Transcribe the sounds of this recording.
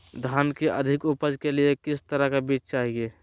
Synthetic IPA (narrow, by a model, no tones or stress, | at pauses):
d̪ʱaːnkeʔəd̪ʱɪkupəd͡ʒkeliekɪst̪əɾəkabit͡ʃt͡ʃaːɦie